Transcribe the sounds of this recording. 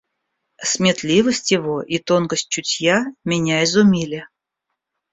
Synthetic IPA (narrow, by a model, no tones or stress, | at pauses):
sʲmʲɪt̪lʲivəsʲtʲjɪvoʔit̪o̞nkəsʲt̚ʲt͡ɕʊtʲjamʲɪnʲaɪzʊmʲilʲɪ